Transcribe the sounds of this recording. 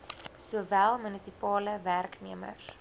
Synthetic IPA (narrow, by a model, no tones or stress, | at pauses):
suəvælˠmənəsipɑːləværkniəmə̰s